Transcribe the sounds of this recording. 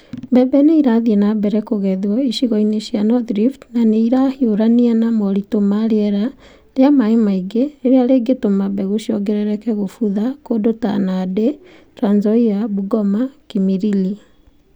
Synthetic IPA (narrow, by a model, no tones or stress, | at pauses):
bɛbɛneiɾaðiɛnabɛɾɛkoɣɛðwɔiʃiɣɔineʃianɔðɾiftnaneiɾahioɾanianamɔɾitomaɾeɛɾa | leamaemaiɡeeɾeaɾeɡetomabɛɣoʃiɔɡɛɾɛɾɛkɛɣofuðakodota̰nade | twanzɔiabuɡɔmakimiɾili